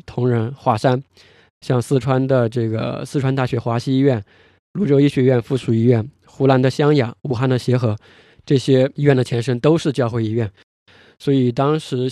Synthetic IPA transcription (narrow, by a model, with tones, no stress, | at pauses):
t̪ʰʊ˧˥ŋɻə˧˥nxwa˥˩ʂa˥n | ɕjɑ˥˧ŋsɹ̩˥˧ʈ͡ʂʰwa˥nd̪ə˨ʈ͡ʂɤ˥˩ɡə̰˩sɹ̩˥˧ʈ͡ʂʰwa˥nt̪a˥˩ɕɥɛ˧˥xwa˧˥ɕi˥˧i˥ɥɛ˥˩n | lu˧˥ʈ͡ʂo˥ʊi˥ɕɥɛ˧˥ɥɛ˥˧nfu˥˩ʂu˨˩i˥ɥɛ˥˩n | xu˧˥la˧˥nd̪ə˨ɕjɑ˥ŋjɑ˨˩˦ŋu˨˩xa˥˧nd̪ə˨ɕjɛ˧˥xɤ˧˥ | ʈ͡ʂɤ˥˩ɕjɛ˥i˥ɥɛ˥˩nd̪ə˩t͡ɕʰjɛ˧˥nʂ̬ə˥ŋt̪o˥ʊʂɻ̩˥˧t͡ɕjɑ˥˧ʊxwe˥ɪi˧˥ɥɛ˥˩n | swɔ˧˥i˨˩t̪ɑ˥ŋʂɻ̩˧˥